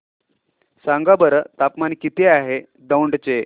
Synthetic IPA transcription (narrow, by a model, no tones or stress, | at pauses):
saŋɡabəɾət̪apmankit̪eaɦe | d̪əwɳɖt͡se